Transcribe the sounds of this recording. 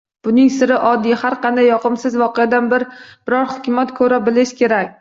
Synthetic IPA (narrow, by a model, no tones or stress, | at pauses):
b̥ʊnɪŋsɪɾɪʔɒd̪ːijhaɾqʰɑnd̪ajːɒqʰɨmsɪzvɒqejad̪anbɪɾb̥ɪɾɒɾhʊkʲʊmat̪kʰɵɾabɪlɪʃkʲʰe̞ɾakʲ